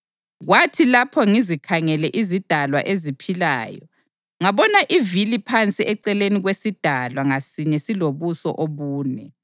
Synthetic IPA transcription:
ɣwatʰilapʰɔŋizikʰaŋɛlɛʔizid̥ʱalwa̰ʔezipʰila̰ːjɔ | ŋaβɔnaʔivilipʰant͡sʼiɛǀɛleniɣwesid̥ʱalwaŋasiɲɛsiloβusɔ̰ʔoβuːnɛ

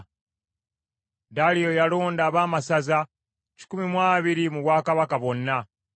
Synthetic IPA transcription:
dalijo̞jalo̞ːndaːβaːmasaza | ci̥kumimwaːβiɾimuβwaːkaβakaβo̞nːa

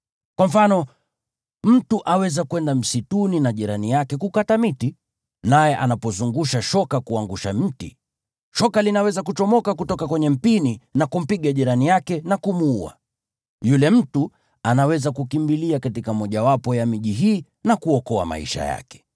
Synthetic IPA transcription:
kwam̩fanɔ | m̩tuʔawɛzakuwɛndam̩situninaʄiɾanijakɛkukatamiti | najɛʔa̰napɔzuŋɡuʃaʃɔkakuaŋɡuʃamm̩tḭ | ʃɔkalinawɛzakut͡ʃɔmɔkakutɔkakwɛɲɛm̩pininakum̩piɠaʄiɾanijakɛnakumuua̰ | julɛm̩tu | anawɛzakukimbiliakatikamɔʄawapɔjamiʄiɦiː | nakuɔkɔa̰ma̰ḭʃa̰ja̰kɛ̥

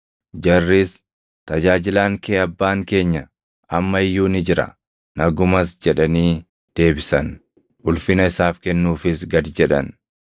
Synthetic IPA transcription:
d͡ʒɐrːiːs | t̪ɐd͡ʒaːd͡ʒɪlaːŋkeːɐbːaːŋke̞ːɲːɐ | ʔɐmːɐɪjːuːnɪd͡ʒɪɾɐ̰ | nɐɡʊmɐsd͡ʒɛᶑɐniː | d̪̥e̞ːbɪsɐn | ʊlfɪnɐɪsaːfkɛnːuːfɪsɡɐd̪d͡ʒɛᶑɐ̰n

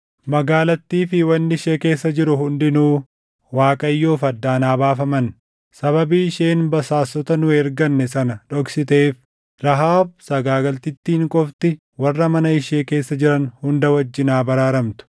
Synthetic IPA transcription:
mɐɡaːlɐt̪ːiːfɪwɐnːɪʃeːke̞ːsːɐd͡ʒɪɾʊɦʊnd̪ɪnuː | waːkʼɐjːoːfɐd̪ːaːnaːbaːfɐmɐn | sɐβɐbiːɪʃeːnbɐsaːsːɔt̪ɐnʊɛɾɡɐnːɛsɐnɐᶑɔksɪt̪eːf | ɾɐɦaːbsɐɡaːɡɐlt̪ɪt̪ːiːŋkʼɔft̪ɪ | wɐrːɐmɐnɐɪʃeːke̞ːsːɐd͡ʒɪɾɐnhʊnd̪ɐwɐd͡ʒːɪnaːbɐɾaːɾɐmt̪ʊ̥

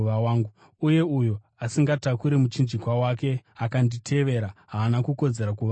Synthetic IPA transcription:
ʋawaːŋɡu | uje̞ujo | asiŋɡatakuɾe̞mut͡ʃind͡ʒikwawake̞akanditʰe̞ʋe̞ɾaɦaːnakuko̞d͡ze̞ɾakuʋa

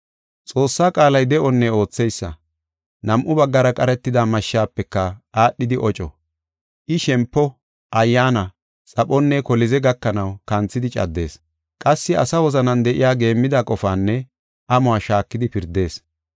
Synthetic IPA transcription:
t͡sʼo̞ːsːaːkʼaːlɐjd̪ɛʔɔnːɛo̞ːt͡sːɛjsːɐ̰ | nɐmʔʊbɐɡːɐɾɐkʼɐɾɛt̪ːɪd̪amɐʃːaːpːɛkːɐʔaːɗːɪd̪ɪʔɔt͡ʃʼɔ | ʔɪʃɛmpːɔ | ʔɐjːaːnɐ | t͡sʼɐɓɔnːɛkɔlɪzɛɡɐkːɐnɐwkɐnt͡sːɪd̪ɪt͡ʃʼɐ̰d̪ːe̞̰ːs | kʼɐsːɪɐ̰sɐwɔzɐnɐnd̪ɛʔɪjaːɡe̞ːmːɪd̪akʼɔfaːnːɛ | ʔɐmʊaːʃaːkːɪd̪ɪpɪɾd̪e̞ːs

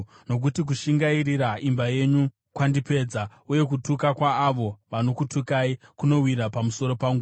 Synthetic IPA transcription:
no̞k̬utik̬uʃiŋɡairiɾaimbaje̞ɲu | kwandipe̞ːd͡za | uje̞k̬utukakwaːʋo̞ʋano̞kutʰukaikuno̞wiɾapamuso̞ɾo̞paŋɡu

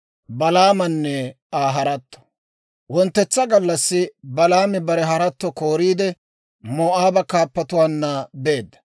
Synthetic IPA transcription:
bɐlaːmɐnːɛ | aːɦɐɾɐt̪ːɔ̥ | wɔnt̪ːɛt͡sːɐɡɐlːɐsːɪbɐlaːmɪbɐɾɛɦɐɾɐt̪ːɔko̞ːɾiːd̪ɛ | moːʔaːbɐkaːpːɐt̪ʊwaːnːɐbe̞ːd̪ːɐ̥

